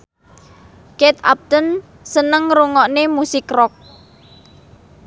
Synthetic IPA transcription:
kɛt̪a̰p̚t̪ən | sənəŋɾuŋɔʔnemusɪkrɔk̚

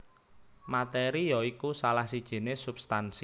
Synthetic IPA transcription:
mat̪eɾijɔikusalahsid̥ʒ̥e̤nesub̥st̪ans

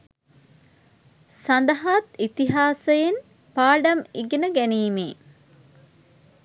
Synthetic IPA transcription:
sɐnd̪ɐɦaːt̪it̪iɦaːsɐjen | paːɖɐmiɡenəɡæniːmḛː

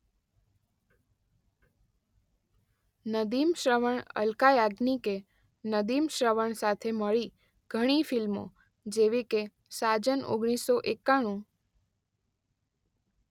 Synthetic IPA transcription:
nəd̪imʃɾəʋəɳə̰lkajaɡnike | nəd̪imʃɾəʋəɳsat̪ʰeməɭi | ɡ̥ʱəɽ̃ifilmo̰ | d͡ʒeʋike | sad͡ʒəno̰ɡɽ̃isoʔekːaɽ̃ũ

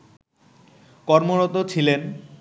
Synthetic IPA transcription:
kɔɾmoɾɔt̪ot͡ɕʰilen

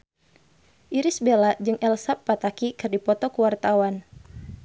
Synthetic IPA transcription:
ʔiɾɪsbelaʔd͡ʒɨŋʔɛlsapːat̪akikɨrdipɔt̪ɔkuwart̪awan

